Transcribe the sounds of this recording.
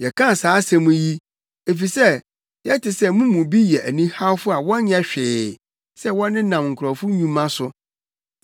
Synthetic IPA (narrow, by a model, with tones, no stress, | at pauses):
jɛ˨kʰã˦˨saː˨˦sɛ̃˨mũ˦ji˦ | e˨fi˨sɛ˦˨ | jɛ˦tʰɪ˨sɛ˦mũ˦mũ˨bi˦jɛ˨ʔæ˨nĩ˦ha˦wfʊ˦a˨wɔ̃˦nɲ˦ɛ˦ɕᶣɪː˨ | sɛ˦wɔ̃˦nːɪ̃˦nã˨mŋ̩˨kʰɾɔ˨fʊ̃˦ɲũ˦mã˦sʊ˨